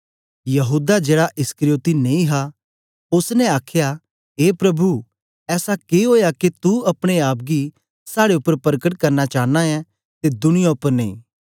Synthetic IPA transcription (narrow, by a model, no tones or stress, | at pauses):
jɐɦuːd̪ad͡ʒeːɽaʔɪskəɾɪjoːt̪ineːĩɦa | ʊsnɛ̃aːkʰja | ɦeːpɾɐbʱu | ɛːsakeɦoːjaket̪uɐpɽ̃eaːp̚ɡi | saːɽeʊpːəɾpɐɾəkəʈkɐɾnat͡ʃaːnaɛ̃ | t̪ed̪ʊñɪjaʊpːəɾnẽḭ̃ː